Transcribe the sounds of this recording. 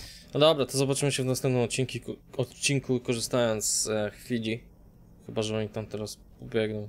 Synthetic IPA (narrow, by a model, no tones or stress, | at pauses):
nd̪ɔbɾat̪ɔzɔbat͡ʂɘmɘɕɛvnasɛmp̚nɛmɔt̪̚t͡ɕiŋkʲiɔt̪t͡ɕiŋkukɔʐɘst̪ajɔnt̪szxfʲilʲi | xɘbaʐɛɔɲit̪amt̪ɛɾaspɔbʲjɛɡnɔ̃w̃